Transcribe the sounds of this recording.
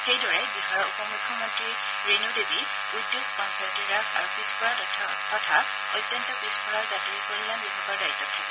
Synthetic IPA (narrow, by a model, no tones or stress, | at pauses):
xejdɔɹɛbixaɹɔupɔmukʰːɔmɔntɹi | ɹenudebi | udjoɡ̚kɔnsɔtiɹasa̰ɹubispɔɹatɔtʰːɔ | kɔtʰa | ɔjtjɔntɔbispɔɹazatiɹikolilanbibʱɔɡɔɹdajtːɔtʰɛ